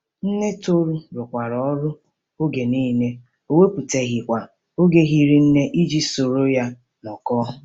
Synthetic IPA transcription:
n̩˦ne˦to˦ɾu˦ɾʊ˨kʷa˨ɾɔ˨ɔ˦ɾʊ˦ | o˦ɡe˨ni˦ne˦ | o˦we˦pu˨te˦ɣɪ˨kʷa˨ | o˦ɡe˦ɦi˦ɾi˨n̩˦ne˦ʔi˦d͡ʒi˦so˨ɾo˦ja˦ | mɔ˨kɔ˦

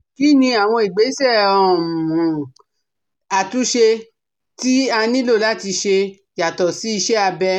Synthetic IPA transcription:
ki˨˦nĩ˧a˨w̃ɔ̃˧i˨ɡ͡be˨˦sɛ˦˨ɔ̃˨mũ˨ | a˨tũ˨˦ʃe˧ | ti˦a˧nĩ˦lo˦˨la˦˨ti˧ʃe˧ | ja˨tɔ˨si˨˦i˧ʃɛ˦a˧bɛ˧˦

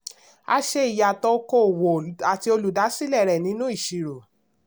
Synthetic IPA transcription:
a̰˧ʃe˦i˨ja˨tɔ˧ko˦˨wo˨a˨ti˧o˧lu˨da˨˦si˦˨lɛ˦˨ɾɛ˨nĩ˨˦nũ˦i˦˨ʃi˨ɾo˨

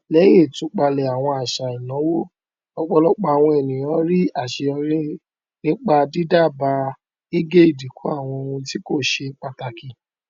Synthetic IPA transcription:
lɛ˨˦j̃ẽ˦˨tũ˨˦k͡pa˧lɛ˨a˨w̃ɔ̃˧a˨ʃa˨i˨nã˨˦wo˦ | ɔ˧k͡pɔ˧lɔ˦k͡pa˧˨w̃ɔ̃˧ɛ˨nĩ˨j̃ɔ̃˨˦ɾi˦a˦˨ʃe˧ɔ˧ɾĩ˦ | nĩ˦k͡pa˧di˦da˦˨ba˧ | i˦ɡe˦i˦˨di˨kʰu˨˦a̰˦˨w̃ɔ̃˧ũ˧ti˦ko˦˨ʃe˧k͡pa˨ta˨ki˨

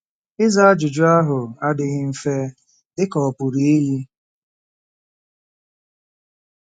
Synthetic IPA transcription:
ɪ˦za˦a˦d͡ʒʊ˨d͡ʒʊ˦a˦ɦʊ˨a˦dɪ˨ɣɪ˦m̩˦fe˦ | dɪ˦kɔ˨pʊ˨ɾi˨e˦ɦi˦

